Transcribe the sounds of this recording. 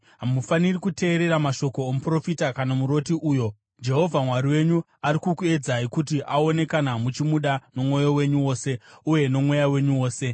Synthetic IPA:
ɦamufanirikute̞ːɾe̞ɾamaʃo̞ko̞ːmupro̞fitakanamuɾo̞tiʔuːjo̞ | d͡ʒe̞ɦo̞vʱamwaɾiwe̞ɲu | aɾikukue̞d͡zaikut̬iʔao̞ne̞kanamut͡ʃimuɗano̞mwo̞jo̞we̞ɲuwo̞ːse̞uje̞no̞mwe̞jawe̞ɲuwo̞ːse̞

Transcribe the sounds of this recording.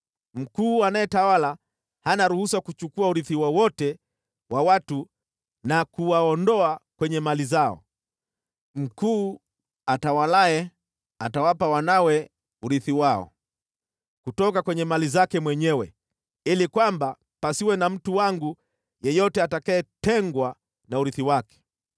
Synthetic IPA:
m̩kuːanajɛtawala | hanaɾuhusakut͡ʃukuauɾiθiwawɔtɛ | wawatu | nakuwaɔndɔakwɛɲɛmalizaɔ̰ | m̩kuː | atawalaɛ | atawapawanawɛ | uɾiθiwaɔ̰ | kutɔkakwɛɲɛmalizakɛmwɛɲɛwɛ | ilikwamba | pasiwɛnam̩tuwaŋɡu | jɛjɔtɛatakajɛtɛŋɡwa | nauɾiθiwakɛ̥

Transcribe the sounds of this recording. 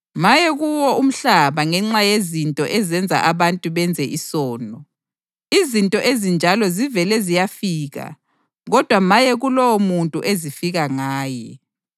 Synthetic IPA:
majɛɣuwɔʔum̩ɬaβaŋɛŋ͡ǁajezintʼɔʔɛzɛnd͡zʱa̰ʔaβantʼuβɛnd͡zʱɛʔisɔːnɔ | izintʼɔʔezind͡ʒʱalɔzivɛlɛzijafiːɣa̰ | ɣɔd̥ʱwamajɛɣulɔwomuntʼṵʔezifiɣaŋaːjɛ

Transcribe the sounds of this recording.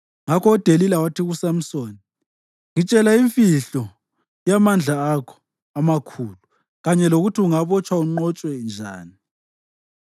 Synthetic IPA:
ŋakʰɔːd̥ʱelilawatʰiɣusam̩soːni | ŋit͡ʃʼɛlaiɱfiɬɔ | jamand͡ɮʱaːkʰɔ̥ | amakʰuːlu | ɣaɲɛloɣutʰiuŋaβɔt͡ʃʰʼwauŋ͡ǃɔt͡ʃʼwɛnd͡ʒʱa̰ːni

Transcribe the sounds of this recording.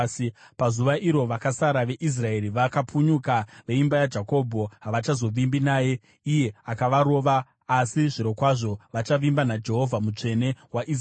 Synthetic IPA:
pazuʋaʔiɾo̞ʋakasaɾaʋe̞ʔis̬rae̞ɾiʋakapuɲukaʋe̞imbajad͡ʒako̞bʱo̞ɦaʋat͡ʃazo̞ʋimbinaːje̞ | ije̞akaʋaɾo̞ːʋaː | siʐiɾo̞kwaʐo̞ʋat͡ʃaʋimbanad͡ʒe̞ɦo̞vʱamut͡ʂe̞ne̞waʔi

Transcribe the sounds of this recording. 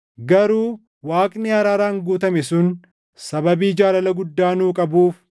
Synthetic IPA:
ɡɐɾuː | waːkʼnɪɐɾaːɾaːŋɡuːt̪ɐmɛsʊn | sɐbɐbiːd͡ʒaːlɐlɐɡʊd̪ːaːnuːkʼɐbuːf

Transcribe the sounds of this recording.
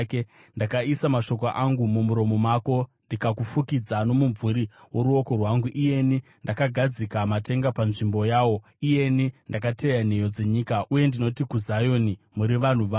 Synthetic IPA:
ke | ndakaisamaʃo̞k̬oʔaŋɡumumuɾo̞mo̞mako̞ndikakufukid͡zano̞muɱvuɾiwo̞ɾuo̞ko̞rwaŋɡuʔije̞ni | ndakaɡʱad͡zikamate̞ŋɡapanʐimbo̞jaːwo̞ | ije̞nindak̬atejan̤e̞jo̞d͡ze̞ɲiːkaʔuje̞ndino̞tikuzajo̞ni | muɾiʋan̤uʋa

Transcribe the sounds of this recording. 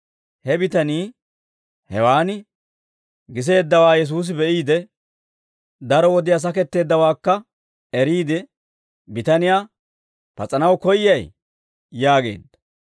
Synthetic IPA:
hɛbɪt̪ɐniː | hɛ̰waːnɪ | ɡɪs̬e̞ːd̪ːɐwaːjɛs̬uːs̬ɪbɛʔiːd̪ɛ | d̪ɐɾɔwɔd̪ɪjaːs̬ɐkɛt̪ːe̞ːd̪ːɐwaːkːɐ | ɛɾiːd̪ɛ | bɪt̪ɐnɪjaː | pɐt͡sʼɐnɐwkɔjːɐj | jaːɡe̞̰ːd̪ːɐ

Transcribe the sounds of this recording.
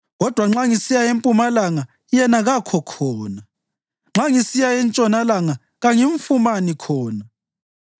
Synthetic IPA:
ɣɔd̥ʱwaŋ͡ǁaŋisijaempʼumalaŋa | jɛnaɣakʰɔkʰɔːna | ŋ͡ǁaŋisijaɛnt͡ʃʼɔnalaŋa | ɣaŋiɱfumanikʰɔːna

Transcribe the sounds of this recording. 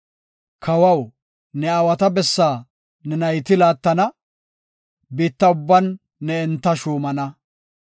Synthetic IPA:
kʰɐwɐw | nɛɐwɐt̪ɐbɛsːaː | nɛnɐjt̪ɪlaːt̪ːɐnɐ | biːt̪ːɐʊbːɐnː | ɛɛnt̪ːɐʃuːmɐnɐ

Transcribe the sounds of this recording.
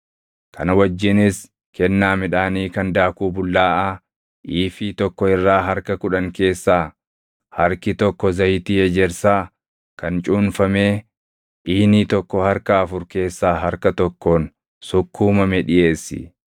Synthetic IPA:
kɐnɐwɐd͡ʒːɪnɪs | kɛnːaːmɪᶑaːniːkɐnd̪aːkuːbʊlːaːʔaː | ʔiːfit̪ɔkːɔɪrːaːɦɐɾkɐkʊᶑɐŋke̞ːsːaː | hɐɾkɪt̪ɔkːɔzɐjt̪iːɛd͡ʒɛɾsaː | kɐnt͡ʃʼuːnfɐme̞ː | ʔiːniːt̪ɔkːɔhɐɾkɐːfʊɾke̞ːsːaːɦɐɾkɐt̪ɔkːoːn | sʊkʰːuːmɐmɛᶑɪʔe̞ːsːɪ̰

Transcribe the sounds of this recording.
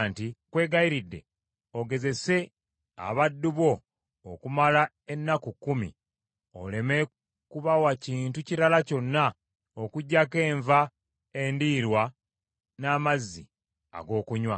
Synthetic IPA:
ntikwe̞ːɡaiɾidːe̞̰ | o̞ɡe̞ze̞se̞ | a̰βadːuβo̞ː | kumala | e̞nːakukːumḭ | o̞̰le̞me̞ | kuβawaciːntuciɾalaco̞nːa | okuɟːake̞ːɱva | e̞ndiɾwa | naːmazːḭ | a̰ɡo̞ːkuɲwa

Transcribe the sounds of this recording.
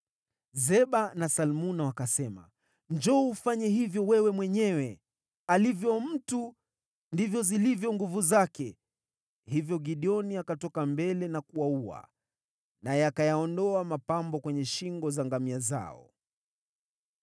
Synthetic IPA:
zɛɓanasalmunawakasɛma̰ | nd͡ʒɔufaɲɛhivjɔwɛwɛmwɛɲɛwɛ | alivjɔm̩tu | ndivjɔzilivjɔŋɡuvuzakɛ | hivjɔɡiɗiɔniakatɔkambɛlɛnakuwaua̰ | najɛakajaɔndɔamapambɔkwɛɲɛʃiŋɡɔzaŋɡamiaza̰ɔ̰

